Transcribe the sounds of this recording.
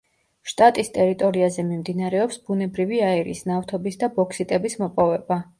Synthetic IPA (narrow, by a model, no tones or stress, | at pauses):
ʃt̪ʼat̪ʼist̪ʼɛɾit̪ʼɔɾiazɛmimd̪inaɾɛɔpsbunɛbɾiviaɛɾḭːsnaft̪ʰɔbisd̪abɔkʰsit̪ʼɛbismɔpʼɔvɛba